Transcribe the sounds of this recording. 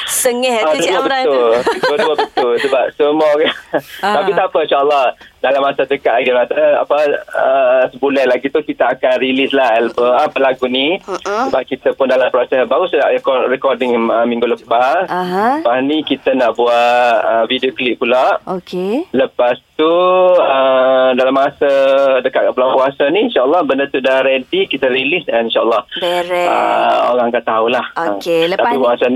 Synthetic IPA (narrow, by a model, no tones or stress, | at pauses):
t̪əŋɛaduabət̪ʊldoduəbət̪ʊlsəbap̚somɔkat̪apit̪apənʃaʔəlːɑhdalamːasatəkaʔʔaɡimasaa̰pəəsəbulɛhlaɡit̪ukit̪aakanrilislahɛlpəapəlaɡunisəbaʔ̚kit̪əpʊndalampɾɔsɛsbaɾusəda̰ʔɛkɔrɛkɔrdɪŋəmĩŋɡuləpaspasnikit̪ənaʔbuaʔʔəvidioklip̚pulaʔokeləpast̪uədalamːasədəkaʔ̪̚kaʔpulapuasaniːnʃaəlːɑhbəndət̪udahɾɛdikit̪əɾilisanĩnʃaʔəlːɑhə̰o̰ɣãŋakaʔt̪ːaulahət̪apipuasan